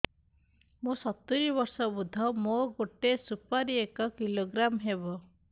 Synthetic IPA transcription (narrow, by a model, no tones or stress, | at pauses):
mũsɔt̪ːiɾibɔɾsɔbud̪ʱɔmoɡoʈesupaɾiekɔkiloɡɾamɦebɔ